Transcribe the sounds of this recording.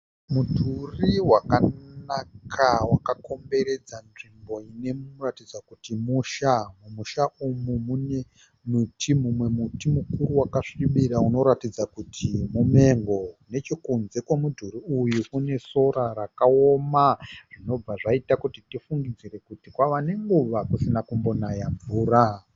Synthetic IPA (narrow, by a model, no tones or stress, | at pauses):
mudʱuriwakanakʰawakako̞mbe̞ɾe̞d͡zanʐimbo̞ine̞ratid͡zakutimuʃamumuʃaumumune | mutʰimumwe̞mutimukuɾuwakaʂiɓiɾauno̞ɾatid͡zakutʰimume̞ŋɡo̞ne̞t͡ʃokunzekwemudʱuɾiujukune̞so̞ɾaɾakaomaʐ̥ino̞b͡vaʐaitakutitifuŋɡid͡ziɾe̞kutikwaʋane̞ŋɡuʋakusinakumbo̞najaɱvuːra